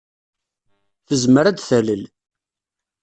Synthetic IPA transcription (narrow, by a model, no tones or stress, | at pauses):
θəzməɾæd̪θæləl